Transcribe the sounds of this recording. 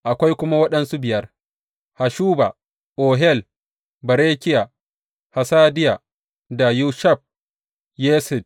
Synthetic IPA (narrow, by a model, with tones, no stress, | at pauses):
ʔa˨kʷa˦jkʷʊ˦ma˦wɐ˦ɗɐ˦nsu˦bɪ˨jɐ˦r | ha˨ʃuː˦ba˨ | ʔoː˨ɦɛ˦˨l | bɐ˨ɾeː˦kʲɪ˦ja˨ | ha˨saː˦dɪ˦ja˨ | da˨juː˦ʃɐ˦˨ɸ̚ | jɛː˦sɪ˨d